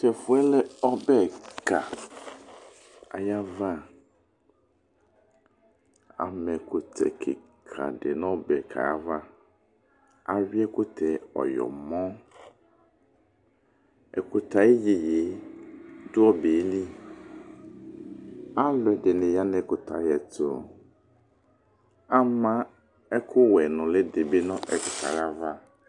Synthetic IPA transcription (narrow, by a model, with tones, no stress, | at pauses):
tɛ˨fu˦ɛ˦lɛ˦ɔ˦bɛ˦˨ka̰˨ | a̰˨ja˦va˦ | a̰˨mɛ˨ku˨t̪ʰɛ̰˨kʰḛ˨ | kʰa̰˨ɖe˨nɔ̃˦bɛ˨kʰa̰˨a˦va˦ | a˨wi˦ɛ˦ku˦t̪ʰɛ˨ɔ̰˨jɔ̰˨mɔ̃˦ | ɛ̰˨kʊ˨t̪ʰa˨e˦jɪ˨je˨˦ | dʊ˦ɔ˦be˨˦li˦ | a˦lʊ˨˦ɛ˨dɪ˨nɛ̃˨ja˦nɛ˨˦kʊ˨t̪ʰa˨jɛ˨t̪ʊ˨ | a˦mã˦ | ɛ˦kʰʊ˦wɛ˨nʊ̃˨le˦de˨be˦nɔ̃˦ʔɛ˨kɪ˨tʰa̰˨ɣa˦va˦